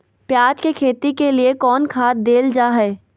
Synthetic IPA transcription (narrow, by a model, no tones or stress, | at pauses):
pjaːd͡ʒkekʰeːt̪ikeliekɔːnkʰaːt̪̚d̪eːld͡ʒaːɦɛː